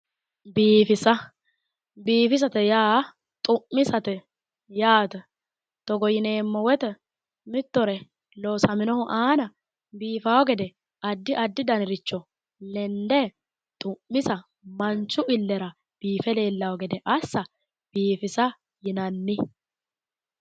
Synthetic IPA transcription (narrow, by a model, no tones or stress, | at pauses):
biːfɪsɐ | biːfɪs̬ɐt̪ɛjaː | t̪ʼʊʔːɪsɐt̪ɛ | jaːt̪ɛ | t̪ɔɡɔjɪneːmːɔwɛt̪ɛ | mɪt̪ːɔɾɛ | lɔːsɐmɪnɔhʊʔaːnɐ | biːfawɔɡɛd̪ɛ | ɐd̪ːɪʔɐd̪ːɪd̪ɐnɪɾɪt͡ʃːɔ | lɛnd̪ɛ | t̪ʼʊʔːɪsɐ | mɐnt͡ʃːʊʔɪlːɛɾɐ | b̥iːfɛle̞ːlːɐwɔɡɛd̪ɛʔɐsːɐ | b̥iːfɪsɐ | jɪnɐnːɪ